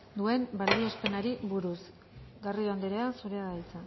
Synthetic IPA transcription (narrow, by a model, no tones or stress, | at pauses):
d̪ue̞mbald̪io̞spe̞naɾiβuɾus | ɡarioand̪eɾeasuɾeaðalt͡sa